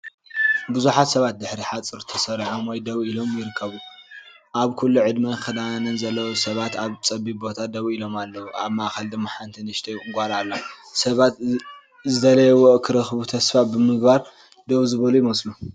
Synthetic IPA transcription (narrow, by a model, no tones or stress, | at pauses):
bɨzuħat̪sɐβat̪̚d̪ɨħɾiħat͡sʼɨɾt̪ʰɐsɐɾʕomwɔjd̪ɐβilo̞mjɪɾɨkʰːɐβu | ʔaβkʰulːuʕɨd̪mɐxɨd̪anɐnzɐlːɐwosɐβat̪aβt͡sʼɐbibo̞t̪ʰad̪ɐβilo̞malːɐwuʔa̰βmaʔxɐld̪ɨmːaħant̪ʰinɨʃt̪ʰɐjɨŋɡʷalalːa | sɐβat̪ | zɨd̪ɐlɐjɛwɔʔkʰɨɾɐxbut̪ʰɐsfabɨmɨɡbaɾ | d̪ɐβzɨβɐlujimɐsʼlu